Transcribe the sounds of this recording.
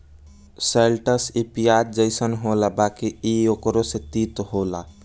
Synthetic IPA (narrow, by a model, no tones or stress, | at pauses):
selʈəsipijaɾ̚d͡ʒəɪsənɦolabakiiokɾoset̪it̪ɦola̰